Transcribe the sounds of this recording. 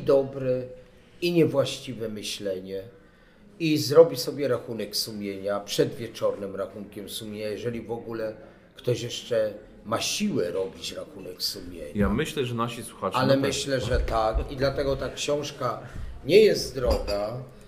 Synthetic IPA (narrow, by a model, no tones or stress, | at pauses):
id̪ɔbɾɛ | iɲɛvwaɕt͡ɕivɛmɘɕlɛɲɛ | izɾɔbʲisɔbʲjɛɾaxunɛksumʲjeɲapʂɛd̪vʲjɛt͡ʂɔɾnɘmɾaxunkʲɛmsumʲjeɲajɛʐɛlʲivɔɡulɛ | kt̪ɔɕjɛʂt͡ʂɛ | maɕiwɛɾɔbʲit͡ɕɾaxunɛksumʲjḛɲjaamɘɕlɛʐɛnaɕiswuxat͡ʂalɛmɘɕlɛʐɛt̪akid̪lat̪ɛɡɔt̪akɕɔ̃w̃ʂkaɲɛjɛzt̪d̪ɾɔɡa